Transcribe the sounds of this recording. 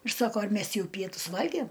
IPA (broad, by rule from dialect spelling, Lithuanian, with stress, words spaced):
ɪr ˈsɑːkoː ɐr ˈmʲɛs ˈjɛʊ ˈpʲiɛtʊs ˈʋɐlʲɡʲiɛm